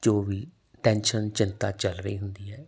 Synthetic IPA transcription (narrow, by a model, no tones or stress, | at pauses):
d͡ʒoːʋiː | ʈɛːnʃənt͡ʃɪnt̪aːt͡ʃəlɾəiːɦʊnd̪iːɦɛː